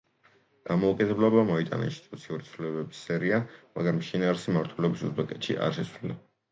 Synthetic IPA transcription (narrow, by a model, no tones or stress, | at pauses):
d̪̥amɔukʼid̪ɛblˠɔbamɔit̪ʼa̰na̰inst̪ʼit̪ʼut̪sʰiuɾit̪sʰlulɛbɛbi̥sːɛɾiamaɡɾamʃinaːɾisimaɾt̪ʰwɛlɛbisṵzbɛkʼɛt̪ʃḭʔa̰ɾʃɛsvlila